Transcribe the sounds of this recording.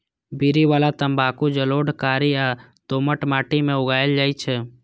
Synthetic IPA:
biɾiʋaːlat̪əmbaːkud͡ʒəloːɖʱkaːɾia | t̪oːməʈmaːʈimẽʊɡaːjəld͡ʒaːit͡ʃʰe

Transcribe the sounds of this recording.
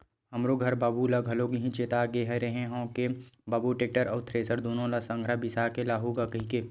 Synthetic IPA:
ɦɐmɾoɡʱɐɾbaːbulɐɡʱɐloɡiɦĩt͡ʃeːt̪aɡeɦəɾɐɦẽɦõːkebaːbuʈeːk̚ʈəɾəːt̪ʰɾeːsəɾd̪oːnõlasə̃ŋɡʱɾabɪsakelaːɦuɡakɐɦĩke

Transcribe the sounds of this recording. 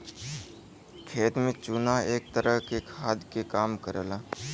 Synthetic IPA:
kʰeːt̪mẽt͡ʃʊnaeːk̚t̪əɾəɦkekʰaːd̪kekaːmkəɾəlaː

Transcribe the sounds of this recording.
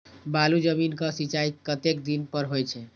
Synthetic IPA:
balud͡ʒəminkə̃sit͡ʃaikət̪ekd̪inpəɾɦojt͡ʃʰɛ

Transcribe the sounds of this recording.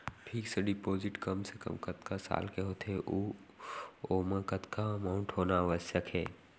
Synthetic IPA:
ʈʰiːkseɖɪpoːzɪʈkəmsekə̰mkət̪kasa̰ːlkeɦoːt̪ʰeʔuː | oːmãkət̪kamaːʊ̃ɳʈɦoːnaʋəsjəkʰɦɛː

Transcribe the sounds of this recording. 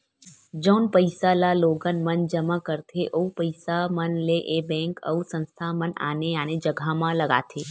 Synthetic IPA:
d͡ʒənpəjsalaloɡənmənd͡ʒəmakəɾt̪ʰeʔoupəjsamənleʔebɛ̃ŋkə̰usə̃nst̪ʰaməna̰neaned͡ʒəɡʱamãləɡa̰t̪ʰe

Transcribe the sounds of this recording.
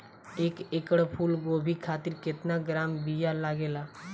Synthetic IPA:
eːkeːkəɽpʰuːlɡoːbʱikʰaːt̪ɪɾkɪt̪naɡɾaːmbijalaːɡeːlaː

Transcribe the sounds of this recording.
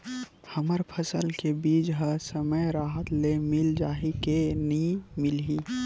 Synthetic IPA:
həməɾpʰəsəlkebiːd͡ʒɦəsəməjɾaːɦət̪lemɪld͡ʒaːɦikenĩmɪlɦiː

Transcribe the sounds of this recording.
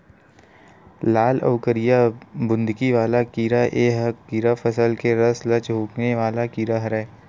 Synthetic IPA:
laːlɐ̰ʋkəɾɪjabʊ̃nd̪ɡiʋaːlakiːɾaʔeːɦəkiːɾafəsəlkeɾɐslɐt͡ʃɦuːkneʋaːlakiːɾaɦɐɾɛː

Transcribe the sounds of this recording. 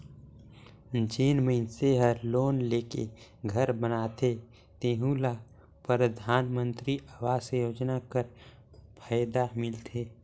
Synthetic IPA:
d͡ʒeːnmənseɦəɾloːnleːkḛɡʱəɾbənaːt̪ʰe | t̪eːɦũla | pɾəd̪ʱaːnmə̃nt̪ɾiawaːsejoːd͡ʒnakəɾ | pʰaːjd̪amɪlt̪ʰeː

